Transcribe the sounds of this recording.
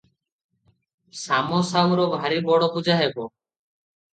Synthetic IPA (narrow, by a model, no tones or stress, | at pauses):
samɔsawɾɔbʱaɾibɔɽɔpud͡ʒaɦebo